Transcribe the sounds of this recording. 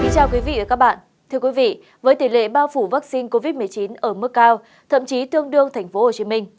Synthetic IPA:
ki˨˦nt͡ɕaː˧˩wkwi˨˦vḭ˧˨və˨˩kaː˦˥k̚ɓa̰ː˧˨n | t̪ʰɨ˧əkwi˨˦vḭ˧˨ | vəː˨˦jt̪i˧˩lḛ˧˨ɓaː˧wfu˧˩vaː˦˥k̚si˧nko˧vi˦˥t̚mɨ˨˩əjt͡ɕi˨˦nʔəː˧˩mɨ˦˥kːaː˧w | t̪ʰə̰˧˨mt͡ɕi˨˦t̪ɨ˧əŋɗɨ˧əŋt̪ʰa˨˩jŋ̟fo˨˦ho˨˩t͡ɕi˨˦mï˧ŋ̟

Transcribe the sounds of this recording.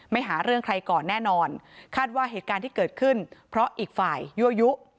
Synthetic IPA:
ma˥˩jɦaː˩˦ɾɯ˥˩əŋkʰɾa˧jkɔː˨˩nːɛː˥˩nɔː˧nkʰaː˥˩t̪̚waː˥˩ɦeː˨˩t̪̚kaː˧nt̪ʰiː˥˩kɤː˨˩t̪̚kʰɯ˥˩npʰɾɔ˦˥ʔiː˨˩k̚faː˨˩jːu˦˥ʔju˦˥ʔ

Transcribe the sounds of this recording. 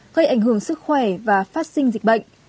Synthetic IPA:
ɣə˧jʔa˧˩jŋ̟ɦɨ˧˩əŋsɨ˦˥k̚xwɛ˧˩vaː˨˩faː˦˥t̚sï˧ŋ̟zï˨˩k̟̚ɓə̰˧˨jŋ

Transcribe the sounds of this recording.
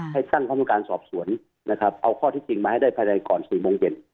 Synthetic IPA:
ha˧˥˩jsaː˥˩ŋkʰa˧˦m˦u˧˩kaː˧nsɔː˨˩p̚su˩˦ən | na˦˥kʰa˦˥p̚ʔa˧wkʰɔː˥˩t̪ʰiː˥˩t͡ɕi˧ŋmaː˧ha˥˩jda˥˩jpʰaː˧ɲa˧jkɔː˨˩nsiː˨˩moː˧ŋt͡ɕe˧˩n

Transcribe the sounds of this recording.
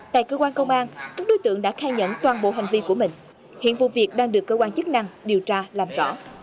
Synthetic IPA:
t̪a̰ː˧˨jkəː˧kwaː˧nkə˧wŋ͡mʔaː˧nkaː˦˥k̚ɗo˨˦jt̪ɨ̰˧əŋɗa̰ː˧˥xaː˧jɲə̰˧˥nt̪waː˨˩nɓo̰˧˨ɦa˨˩jŋ̟vi˧ku˧˩əmï˨˩ŋ̟ | hḭ˧˨ənvṵ˧˨vi˨˩ək̚ɗaː˧ŋɗɨ˨˩əkːəː˧kwaː˧nt͡ɕɨ˦˥k̚na˧ŋɗi˨˩əwt͡ɕaː˧laː˨˩mzɔ̰˧˥

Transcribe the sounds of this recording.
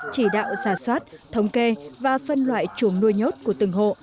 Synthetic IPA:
t͡ɕi˧˩ɗa̰ː˧˨wzaː˧˩swaː˦˥t̚t̪ʰə˨˦wŋ͡mke˧vaː˨˩fə˧nlwa̰ː˧˨jt͡ɕu˧˩˦əŋnu˧jɲo˦˥t̚ku˧˩ət̪ɨ˨˧˩ŋɦo̰˧˨

